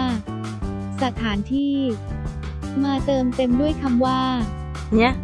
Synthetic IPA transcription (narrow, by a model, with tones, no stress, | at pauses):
sa˧˩t̪ʰaː˩˦nt̪ʰiː˥˩ | maː˧t̪ɤː˧mt̪e˧mdu˥˩əjkʰa˧mwaː˥˩ | ŋi˦˥ɐ